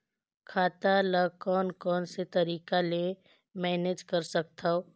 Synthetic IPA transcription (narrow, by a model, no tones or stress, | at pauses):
kʰaːt̪aləɡkɔːnkɔːnset̪ɐɾiːkale | mɛːned͡ʒkɐɾsɐk̚t̪ʰaoː